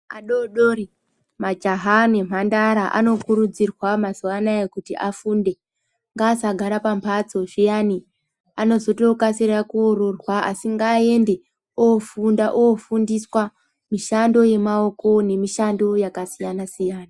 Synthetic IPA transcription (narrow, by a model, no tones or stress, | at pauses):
a̰ɗoɗoːri | mad͡ʒaɦane̞m̤andaɾaʔa̰no̞kuɾud͡zirwamazuʋanajekutiʔafunde̞ | ŋɡaːsaɡʱaɾapampʰat͡so̞ʐijani | ano̞zo̞to̞kasiɾakuoɾorwaʔasiŋɡaːe̞nde̞ | ofundaʔofundiswa | miʃando̞je̞mao̞ko̞ne̞miʃando̞jakasijanasijaːna